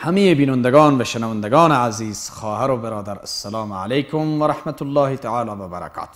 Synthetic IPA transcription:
hamejebiːnand̪eɡɒːnvaʃenævand̪eɡɔːneaziːz̥xɔːhaɾobɪɾɒːd̪aɾasːalɑːmʕa̰lejkʰʊmvæɾaħmat̪ʊlːɑːhit̪aʕaːlɑːvabaɾa̰kʰɑ̰ːt̪

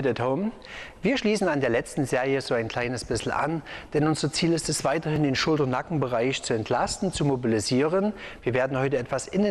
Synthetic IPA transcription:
tɛthoʊm | viːɐʃliːsn̩andeːɐlɛt͡stn̩zeːʁjəzoːaɪnkl̥aɪnəsb̥ɪsl̩ʔa̰nd̥ɛnʊnzɐt͡siːlɪstɛsv̥aɪtɐhɪndeːnʃʊltɐnakŋ̩bəʁaɪçt͡suɛntʰlastn̩t͡sumobiliziːʁənviːɐveːɐdn̩hɔʏtəɛtv̥asʔɪn

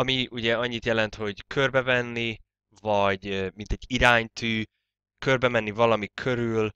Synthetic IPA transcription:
ɒmiuɟɛɒɲːit̪jɛlɛnt̪ho̞ɟkʰørbɛvɛnːi | vɒɟmint̪ɛɟːiɾaːɲt̪yː | kørbɛmɛnːivɒlɒmikʰø̞ɾyːl

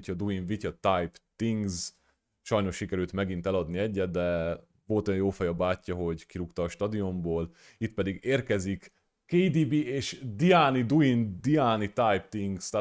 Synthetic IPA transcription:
cɒd̪uiɱvicɒt̪ajpt̪iŋɡz | ʃɒjno̞ʃʃikɛɾylt̪mɛɡint̪ɛlɒd̪niɛɟːɛt̪̚d̪ɛ | vo̞lt̪ojɔjoːfɛjɒbaːcːɒɦo̞ɟkiɾukt̪ɒːʃt̪ɒd̪io̞mboːl | it̪̚pɛd̪iɡeːrkɛzikː | ejd̪ibieːʃd̪iaːnid̪uind̪iaːnit̪ajp̚t̪iŋɡst̪a

